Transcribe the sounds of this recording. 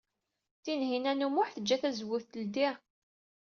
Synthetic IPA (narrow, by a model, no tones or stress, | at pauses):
θinɦinænumʊħθəd͡ʒːæθæzwʊθt̪əld̪iʁ